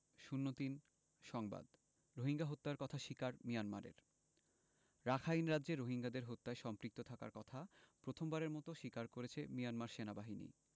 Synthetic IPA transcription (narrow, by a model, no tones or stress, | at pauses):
ʃunːot̪in | ʃɔŋba̰d̪ | ɾoɦiŋɡaɦot̪ːaɾkɔt̪ʰaʃikaɾmijanmaɾḛɾ | ɾakʰainɾadːʑeɾoɦiŋɡad̪eɾɦot̪ːaeʃɔmpɾik̚t̪ot̪ʰaka̰ɾkɔt̪ʰapɾot̪ʰombaɾeɾmɔt̪oʃikaɾkoɾet͡ɕʰemijanmaɾʃenabaɦinḭ